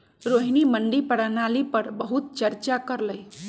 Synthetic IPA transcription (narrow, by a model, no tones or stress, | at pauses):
ɾoɦniməɳɖipəɽanalipəɾbəɦut̪̚t͡ʃəɾt͡ʃakəɾləj